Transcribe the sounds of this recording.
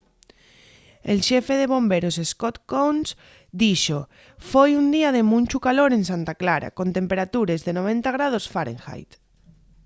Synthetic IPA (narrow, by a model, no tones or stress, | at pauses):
elʃefeðeβ̞ombeɾoseskot̪kons | d̪iʃo | fojund̪iaðemũnʲt͡ʃukaloɾẽnsãnt̪aklaɾa̰kont̪empeɾat̪uɾezðenoβ̞ẽnt̪aɣ̞ɾað̞osfaɾḛ̃ŋxa̰jt̪